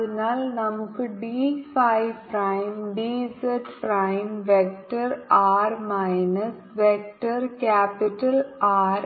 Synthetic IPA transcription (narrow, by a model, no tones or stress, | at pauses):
inaːlnɐmukːɨɖiːfɐjʋpɾɐjmɖiːseʈpɾɐjmʋek̚ʈɐɾaːɾmɐjnɐs | ʋek̚ʈɐrkaːpiʈːɐlaːɾ